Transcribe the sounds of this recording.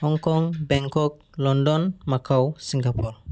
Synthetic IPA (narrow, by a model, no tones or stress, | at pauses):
hɔŋkɔŋbɛŋkɔk̚ | lɔndɔnmakʰawsiŋɡapur